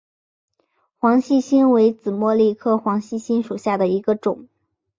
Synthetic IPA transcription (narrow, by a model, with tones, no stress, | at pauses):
xwɑ˧˥ŋɕi˥˩ɕi˥nwe˧˥ɪt͡sɹ̩˨˩mwɔ˥˧li˥˧kʰɤ˥˩xwɑ˧˥ŋɕi˥˩ɕi˥nʂu˨˩ɕja˥˩d̪ə˩i˧˥ɡə˧ʈ͡ʂʊ˨˩˦ŋ